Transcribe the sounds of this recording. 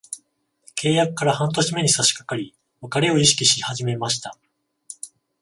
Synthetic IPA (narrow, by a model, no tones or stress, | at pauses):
ke̞ːjakɯ̟̥kːaɾahãnt̪o̞ɕime̞ɲ̟isaɕi̥kḁkaɾʲi | βakaɾe̞o̞iɕi̥kʲiɕihaʑime̞maɕi̥t̪a